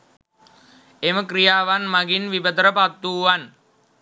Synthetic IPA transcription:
eməkrijaːʋanmaɡinʋibət̪əɾəpat̪ːuːʋan

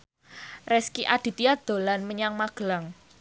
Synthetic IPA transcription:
rɛskiʔad̥i̤t̪ijad̪̥o̤lanməɲaŋmaɡ̥əlaŋ

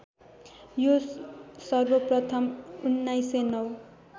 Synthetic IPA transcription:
josʌrbʌprʌt̪ʰʌmunːajsenʌw

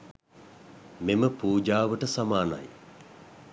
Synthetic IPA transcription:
meməpuːd͡ʒaːʋəʈəsamaːna̰j

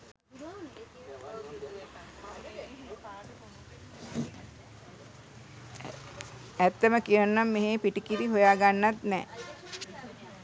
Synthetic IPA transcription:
æt̪ːəməkijənnamːeɦeːpiʈikiɾiɦojaːɡanːat̪nɛ̰ː

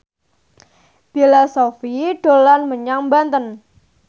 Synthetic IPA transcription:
pilosofiɖ̥o̤lanməɲaŋmbant̪ən

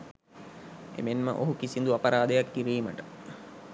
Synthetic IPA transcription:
ḛmenmə̰ʔoɦukisind̪uapɐɾaːd̪ejakːiɾiːmə̰ʈə

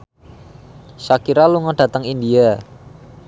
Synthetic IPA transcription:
sakiɾaluŋɔɖ̥a̤t̪əŋindia

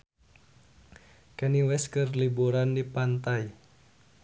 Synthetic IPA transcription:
kɛniwɛskɨrlibuɾandipant̪aj

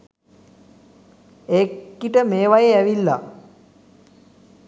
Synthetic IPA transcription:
eːkkːiʈəmeːʋajeæʋilːa̰

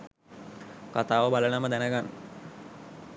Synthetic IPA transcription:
kat̪aːʋəbalənəməd̪ænəɡanː

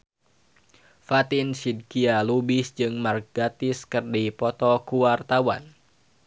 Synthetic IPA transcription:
fat̪insid̚kialubisd͡ʒɨŋmark̚ɡat̪ɪskɨrdipɔt̪ɔkuwart̪awa̰n

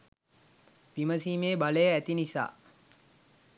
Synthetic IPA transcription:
piməsiːmeːbaləjəæt̪inisa̰ː

